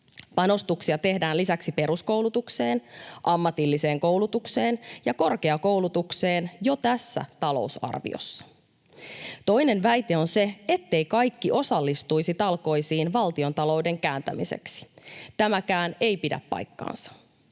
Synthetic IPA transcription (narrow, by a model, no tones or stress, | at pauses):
pɑno̞st̪uksiɑt̪e̞hdæːnlisæksipe̞ɾusko̞wlut̪ukse̞ːnʔɑmːɑt̪ilːise̞ːŋko̞wlut̪ukse̞ːnjɑko̞rke̞ɑko̞wlut̪ukse̞ːnjo̞t̪æsːæ̰t̪ɑlo̞̰usɑ̰rʋḭo̰sːɑ̥ | t̪o̞jne̞nʋæjt̪e̞o̞nse̞et̪ːe̞jkɑjkːiʔo̞sɑlːist̪ujsit̪ɑlko̞jsiːnʋɑlt̪io̞nt̪ɑlo̞wde̞ŋkæːnt̪æ̰mḭse̞̰ksi̥t̪æmækæːne̞jpidæ̰pːɑ̰jkːɑ̰ːnsɑ̥